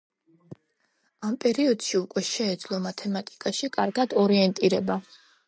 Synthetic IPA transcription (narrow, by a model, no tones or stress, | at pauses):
ampʼɛɾiɔd̪̥ʃiukʼwɛʃɛːd̪zlˠɔmat̪ʰɛmat̪ʼi̥kʼaʃikʼaɾɡad̪ɔɾiɛnt̪ʼiɾɛba